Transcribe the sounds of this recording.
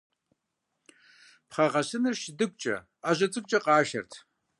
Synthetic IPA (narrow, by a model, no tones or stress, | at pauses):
pχɐʁɐɕɨnɨrʃdɨkʷʼt͡ʃʼɐ̰ | aʒɐt͡sʼɨkʷʼt͡ʃʼɐqɑːʃɐ̰rtʰ